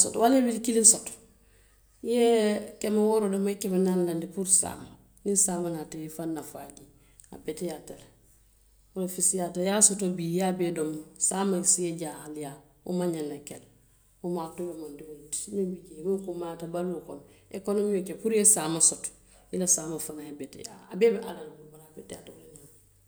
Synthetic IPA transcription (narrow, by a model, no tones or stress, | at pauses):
sotwalebilikilinsot | jekemawoɾodomaikemenanlandipuɾsa̰ːma | nisaːmanatejifanːafaɟi | a̰betijateɾ | wolofisjatajasotobijabedomsamaisijeɟahalja | ṵmaɲalekel | umaːtulomandiwotmibiɟemuŋkumatabalukonekonomiokepuɾesaːmasot | ilasaːmafanahebetja̰abebiʔa̰lanubaɾabetja̰twoleɲa